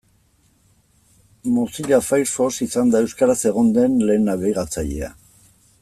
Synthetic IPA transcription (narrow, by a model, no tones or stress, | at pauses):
mosiʎafajɾfo̞sisand̪ae̞wskaɾase̞ɣ̞o̞nd̪e̞nle̞ːnaβejɣat͡saʎe̞̰a̰